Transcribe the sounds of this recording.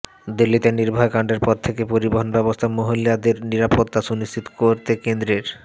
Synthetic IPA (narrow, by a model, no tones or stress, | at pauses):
d̪ilːit̪eniɾbʱɔekaɳɖeɾpɔɾt̪ʰekepoɾiboɦonbɛbost̪ʰamoɦilad̪eɾniɾapot̪ːaʃuniʃt͡ɕʰit̪o̥koɾt̪ekend̪ɾeɾ